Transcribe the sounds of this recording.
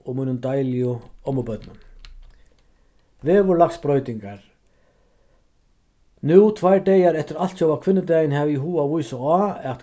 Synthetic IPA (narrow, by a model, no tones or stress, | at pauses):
ɔmiːnʏmt̪ajlɪʊɔmːɔpœt̪nʏm | vɛːvʊɾlakspɾœːɥjt̪iŋkaɾ̥ | nut̪ʰvajɾɖ̪eːjaɾɛft̪ɪɾalt̪sowvakʰvɪnːɪt̪ejɪnhɛviɦuːavujsɔaɛt̪